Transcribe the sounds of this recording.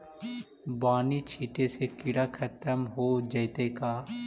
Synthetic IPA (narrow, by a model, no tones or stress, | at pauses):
baːnit͡ʃʰiːʈesekɪɽakʰət̪əmɦod͡ʒəɪt̪ekaː